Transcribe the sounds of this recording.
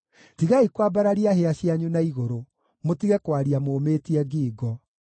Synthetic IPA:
tiɣaikwabaɾaɾiaheaɕjaɲunaiɣoɾo | motiɣɛkwaɾiamometiɛɡiːɡɔ

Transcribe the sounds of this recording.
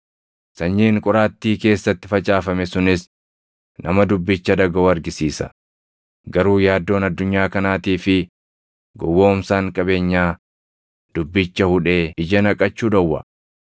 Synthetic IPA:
sɐɲːiːŋkʼʊɾaːt̪ːiːke̞ːsːɐt̪ːɪ̥fɐt͡ʃʼaːfɐmɛsʊnɪs | nʔɐmɐd̪ʊbːɪt͡ʃːɐd̪ɐɡɐoːɐɾɡɪsiːsɐ̥̰ | ɡɐɾuːjaːd̪ːo̞ːnɐd̪ːʊɲːaːkɐnaːt̪iːfɪ | ɡɔwːo̞ːmsaːŋkʼɐbe̞ːɲːaː | d̪ʊbːɪt͡ʃːɐhʊᶑe̞ːɪd͡ʒɐnɐkʼɐt͡ʃːuːd̪ɐwːɐ̰

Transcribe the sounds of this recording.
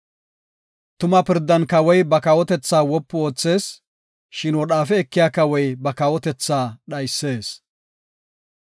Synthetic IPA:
t̪ʊmɐpɪɾd̪ːɐnkɐwɔjbɐkɐwɔt̪ɛt͡sːaːwɔpːʊoːt͡sːe̞ːs | ʃɪnwɔɗaːfɛɛkːɪjaːkɐwɔjbɐkɐwɔt̪ɛt͡sːaːɗɐjsːe̞ːs

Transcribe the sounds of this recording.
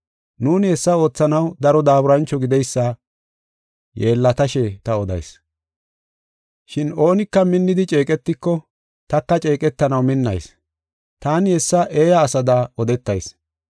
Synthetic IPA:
nuːnhɛsːɐo̞ːt͡sːɐnɐwd̪ɐɾɔd̪aːbʊɾɐnt͡ʃːɔɡɪd̪ɛjsːɐ | jeːlːɐt̪ɐʃɛt̪ɐɔd̪ɐ̰js | ʃɪno̞ːnɪkːɐmɪnːɪd̪ɪt͡ʃʼe̞ːkʼɛt̪ːɪkːɔ | t̪ɐkːɐt͡ʃʼe̞ːkʼɛt̪ːɐnɐwmɪnːɐ̰js | t̪aːnhɛsːɐʔe̞ːjɐːsɐd̪aɔd̪ɛt̪ːɐjs

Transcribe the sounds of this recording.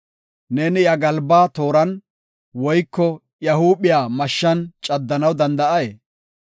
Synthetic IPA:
nɛnɪjɐɡɐlbaːt̪o̞ːɾɐn | wɔjkːɔ | jɐhuːɓɪjaːmɐʃːɐnt͡ʃʼɐd̪ːɐnɐwd̪ɐnd̪ɐʔɐjeː

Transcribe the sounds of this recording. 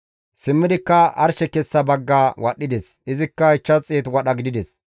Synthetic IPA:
sɪmːɪd̪ɪkːɐʔɐ̰ɾʃɛkɛsːɐbɐɡːaːwɐɗːɪd̪ɛsʔɪzɪkːɐɪt͡ʃːɐt͡sʼeːt̪wɐɗɐɡɪd̪ɪd̪ɛs

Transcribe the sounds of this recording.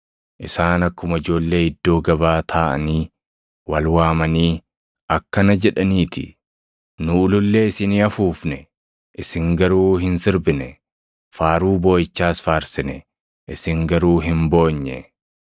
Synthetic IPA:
ʔɪsaːnɐkːʊmɐɪd͡ʒo̞ːlːe̞ːɪd̪ːo̞ːɡɐbaːt̪ʰaːʔɐ̰niː | wɐlwaːmɐniː | ʔɐkːɐnɐd͡ʒɛᶑɐniːt̪ɪ̰ | nʊːlʊlːe̞ːɪsɪniɐfuːfnɛ | ʔɪsɪŋɡɐɾuːɦɪnsɪɾbɪnɛ | faːɾuːbo̞ːjɪt͡ʃːaːsfaːɾsɪnɛ | ʔɪsɪŋɡɐɾuːɦɪmbo̞ːɲːɛ̰

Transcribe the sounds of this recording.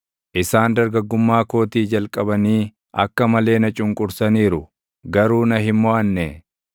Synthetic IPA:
ʔɪsaːnd̪ɐɾɡɐɡːʊmːaːko̞ːt̪iːd͡ʒɐlkʼɐbɐniː | ɐ̰kːɐmɐle̞ːnɐt͡ʃʼʊŋkʼʊɾsɐniːɾʊ | ɡɐɾuːnɐɦɪmːɔʔɐnːɛ

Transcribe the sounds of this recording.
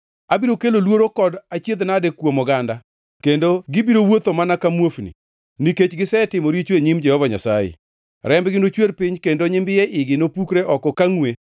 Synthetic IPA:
abiɾokelolwoɾokɔdat͡ʃjed̪nadekwomɔɡanda | kendoɡɪbiɾowot̪omanakamwofnḭ | niket͡ʃɡɪsɛtɪmoɾit͡ʃweɲimd͡ʒɛhɔvaɲa̰sajḛ | ɾɛmbɡɪnot͡ʃwelpɪɲkendoɲɪmbɪjɛʔɪɡɪnopukɾeʔɔkɔkaŋwe

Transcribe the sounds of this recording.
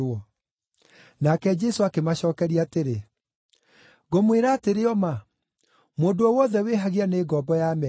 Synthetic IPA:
ɔ | nakɛd͡ʒɛsoakemaɕɔːkɛɾiateɾe | ɣomweɾaːteɾeɔma | moːndoɔwɔðɛweɦaɣianeɡɔbɔjamɛ

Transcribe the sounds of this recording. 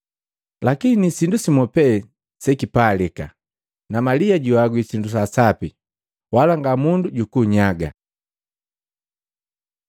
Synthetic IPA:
lakinisindusimɔpɛ | sɛkipalika̰ | namaliaɟuwaɡwisindus̬asapi | walaŋɡamunduɟukuɲaɡa̰

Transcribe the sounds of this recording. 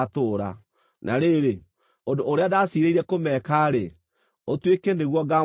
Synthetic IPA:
toːɾa̰ | nʔa̰ɾeɾe | ondoːɾeadasiɾeiɾɛkomɛkaɾe | otwekeneɣwɔɡa

